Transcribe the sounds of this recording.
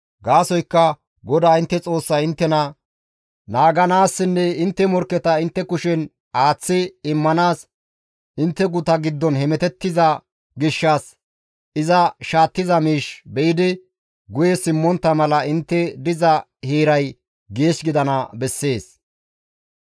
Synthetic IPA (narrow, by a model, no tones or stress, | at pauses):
ɡaːsɔjkːɐ | ɡɔd̪aːɪnt̪ːɛt͡sʼo̞ːsːɐjɪnt̪ːɛnɐ | naːɡɐnaːsːɪnːɛɪnt̪ːɛmɔɾkːɛt̪ɐɪnt̪ːɛkʊʃɛn | aːt͡sːɪɪmːɐnaːs | ʔɪnt̪ːɛɡʊt̪ɐɡɪd̪ːɔnhɛmɛt̪ɛt̪ːɪzɐ | ɡɪʃːas | ɪzɐʃaːt̪ːɪzɐmiːʃbɛjɪd̪ɪ | ɡʊjɛsɪmːɔnt̪ːɐmɐlɐɪnt̪ːɛd̪ɪzɐhieːɾɐj | ɡe̞ːʃɡɪd̪ɐnɐbɛsːe̞ːs